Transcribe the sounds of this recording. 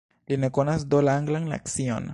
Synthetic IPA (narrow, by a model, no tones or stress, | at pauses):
linekonasd̪olaŋɡlaŋla̰ksio̰n